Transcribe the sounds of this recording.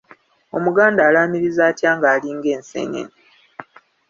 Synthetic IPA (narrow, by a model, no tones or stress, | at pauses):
o̞̰muɡaːndaːlaːmiɾizaːtjaːŋɡaːliːŋɡeːnsḛɲḛne